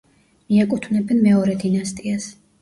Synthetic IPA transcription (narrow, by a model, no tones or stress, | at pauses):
miɛkʼut̪ʰvnɛbɛnmɛɔɾɛd̪inast̪ʼias